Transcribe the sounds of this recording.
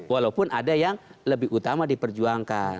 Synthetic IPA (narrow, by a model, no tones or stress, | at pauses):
walaupʊnʔadajaŋləbɪihut̪amadipərd͡ʒuaŋkan